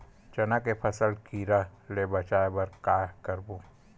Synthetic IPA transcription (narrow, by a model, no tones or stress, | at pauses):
t͡ʃɐnakepʰɐsəlkiɾalebɐt͡ʃaːebɐɾkaːkɐɾbu